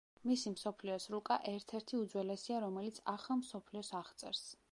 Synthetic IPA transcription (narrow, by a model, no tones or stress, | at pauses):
misimsɔpʰliɔsɾukʼaʔɛɾt̪ʰɛɾt̪ʰiud̪zwɛlɛsiaɾɔmɛlit̪sʰaχamsɔpʰliɔsaʁt̪sʼɛ̰ɾs